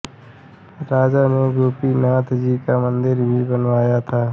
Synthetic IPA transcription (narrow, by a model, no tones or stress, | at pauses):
ɾaːd͡ʒanẽɡoːpinaːt̪ʰd͡ʒiːkamə̃nd̪ɪɾbʱibənʋaːjat̪ʰaː